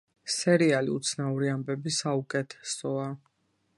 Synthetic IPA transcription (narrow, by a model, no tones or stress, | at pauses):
sɛɾialḭṵt̪sʰnauɾiambɛbisaukʼɛt̪ʰɛ̥sɔa